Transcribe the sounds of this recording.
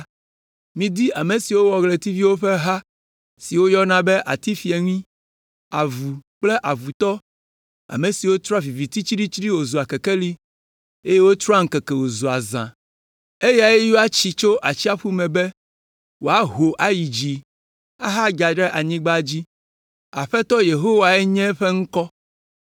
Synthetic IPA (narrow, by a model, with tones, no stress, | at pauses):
mĩ˨d̪i˦ʔa˨me˨si˨wo˦wɔ˨ɡle˨t̪i˦vi˦wo˦ɸɛ˦ɦa˦ | si˨wo˦jɔ˦nã˨be˦ʔa̰˨t̪i˦fi˨e˨ŋĩ˦ | a˨vu˨k͡ple˦ʔa˨vu˨t̪ɔ˦ | a̰˨me˨si˨wo˦t̪ɾa˦vi˨vi˨t̪i˦t͡ʃi˦ɖi˦t͡ʃɾi˦wo˨zu˨a˨ke˨ke˦li˦ | e˦je˦wo˦t̪ɾɔ˦a˦ŋ̩˦kɛ˨kɛ˨wo˨zu˨a˨zã̰˨ | e˦ja˨e˦ju˦a˦t͡ɕi˨t͡ʃo˦ʔa˨t͡ɕi˦a˦ɸu˦mɛ̃˨be˦ | wo˨a˦ɦo˨ʔa˨ji˨d͡ʑi˨ | a˦ɦa˦ɡa˨ɖɛ˦ʔa˨ɲĩ˦ɡ͡ba˦d͡ʑi˦ | a˨ɸɛ˦t̪ɔ˦je˨ɦo˦wa˨ɛ˦ɲɛ̃˦ɸe˦ŋ̩˦kɔ˦